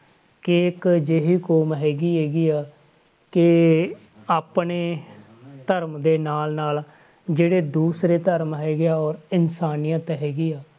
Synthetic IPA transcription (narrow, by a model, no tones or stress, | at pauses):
kɪːkd͡ʒeːɦiːkoːmɦɛːɡiːɦɛːɡiːaː | kɪ | aːpneː | t̪əɾmd̪eːnaːlnaːl | d͡ʒeːɽeːd̪uːsɾeːt̪əɾmɦɛːɡeaːɔːɾɪnsaːnijãːt̪ːɦɛːɡiːaː